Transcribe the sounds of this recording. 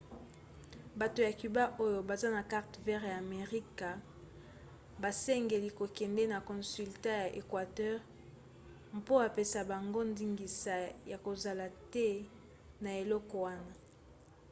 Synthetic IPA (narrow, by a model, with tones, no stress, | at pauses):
ba˨to˨ja˨ky˨ba˦ʔo˦jo˨ba˨za˦na˨ka˦ʁtvɛ˦ʁjaː˨me˨ʁi˦ka˨ | ba˨sɛ˦ŋɡe˨li˨ko˨kɛ˨ndɛ˦na˨kɔ̃˨sy˨lta˦ja˨ʔe˨kwa˨tɛ˦ʁ | mpo˦a˨pe˦sa˨ba˨ŋɡo˦ndi˦ŋɡi˨sa˨ja˨ko˨za˨la˨tɛ˦ | na˨e˨lɔ˦kɔ˨wa˦na˦